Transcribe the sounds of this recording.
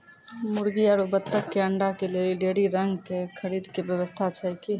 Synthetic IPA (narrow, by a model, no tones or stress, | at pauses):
muɾɡiaɾobət̪ːəkːeəɳɖakelelɖeɽiɾəŋɡkekʰəɾid̪ʱkebjəβəst̪ʰat͡ʃʰəjki